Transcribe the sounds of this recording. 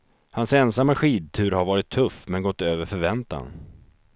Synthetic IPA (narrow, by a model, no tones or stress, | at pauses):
hansɛnsamːaɧiːd̪̚t̪ʰʉ̟ːɾhaɾvɑːɾɪt̪ʰːɵfmɛnɡɔt̪ːøːvəɾfœɾvɛnt̪a̰n